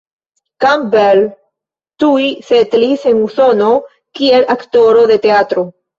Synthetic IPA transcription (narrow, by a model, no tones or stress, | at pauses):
kambel | t̪uiset̪lise̞nuso̞no̞ | kie̞lʔakt̪o̞ɾo̞ðe̞t̪e̞at̪ɾo̞